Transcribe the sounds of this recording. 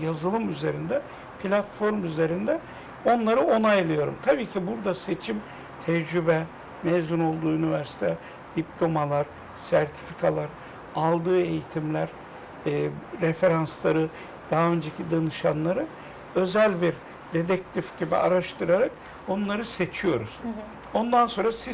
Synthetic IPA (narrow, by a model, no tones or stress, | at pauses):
jazɯlˠɯmyze̞ɾind̪ɛ | pʰilʲat̪fo̞ɾmyze̞ɾind̪ɛ | o̞nlˠaɾɯo̞najlˠɯjo̞ɾumt̪ʰabiːcʰibuɾd̪ase̞t͡ʃʰim | t̪ʰɛd͡ʒɾybɛ | mɛzuno̞lˠd̪uːynivæɾsi̥t̪ʰɛ | d̪̥iplʲo̞malˠaɾ | sæɾt̪ʰi̥fikʰalˠaɾ | alˠd̪ɯːe̞jit̪ʰimlʲæɾː | ɾefe̞ɾanslˠaɾɯ | d̪̥aɦaø̞nd͡ʒecʰid̪anɯʃanlˠaɾɯ | ø̞zælʲbiɾ | d̪e̞d̪ɛc̚t̪ʲifɟibḭaɾaʃt̪ʰɯɾaɾak | onlˠaɾɯse̞t͡ʃʰijo̞ɾuz̥ | o̞nd̪anso̞nɾasiz